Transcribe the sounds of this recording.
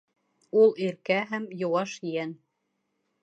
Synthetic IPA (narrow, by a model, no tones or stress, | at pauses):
ulˠiɾkæɦæmjŏwɑʃjæn